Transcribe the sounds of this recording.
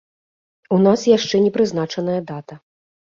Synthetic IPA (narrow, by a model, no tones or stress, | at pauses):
unasjaʂt͡ʂɛnʲɛpɾɨznat͡ʂɐnɐjɐd̪at̪ɐ